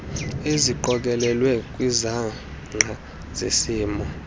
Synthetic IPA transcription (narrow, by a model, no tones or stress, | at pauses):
eziǃɔk̬ʼɛlɛlwɛk̬ʼwiza | ŋ͡ǀʱa | zḛsiːmɔ